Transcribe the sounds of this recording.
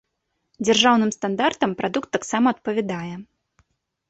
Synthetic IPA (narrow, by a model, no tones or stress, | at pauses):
d͡zʲarʐawnɨmst̪and̪art̪ɐmpɾʔad̪ukt̪ːaksamɐːt̪̚pɐvʲɛd̪ajɛ